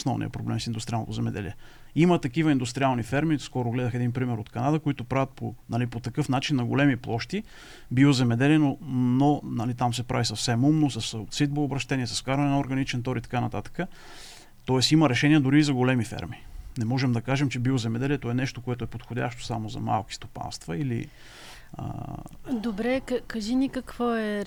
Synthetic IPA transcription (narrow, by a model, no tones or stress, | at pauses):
osnɔvnḭə̰pɾoblɛmsind̪ʊst̪ɾialˠn̰t̪ozɛmɛd̪ɛ̰lḭɛ | imət̪ɐkivəind̪ʊst̪ɾialˠnifɛɾmiskɔɾʊɡlɛd̪əxɛd̪inpɾimɛɾot̪kɐnad̪əkoit̪ʊpɾavət̪̚po̰nɐlipot̪ɐkɤfnat͡ʃinːɐɡolɛmiplˠɔʃt̪i | biozɛmɛd̪ɛliɛnononɐlit̪amsɛpɾavisɐfsɛmumnosɐssit̪̚boːbɾɐʃt̪ɛniɛsɐskaɾvɐnɛnɐoɾɡɐnit͡ʃɛnt̪ɔɾit̪ɐ̥kanɐt̪at̪ə̥kə | t̪ɔɛsiməɾɛʃɛniɛd̪ʊɾiːzɐɡolɛmifɛ̰ɾminɛmɔʒɛmd̪ɐkaʒɛmt͡ʃɛbiozɛmɛd̪ɛliɛt̪oɛnɛʃt̪okoɛt̪oɛpot̪xodʲa̰ʃt̪o̥samozɐ̰ma̰lˠki̥st̪opa̰nst̪vəilḭ | ə̰d̪obɾɛkɐkɐʒinikɐkvoɛ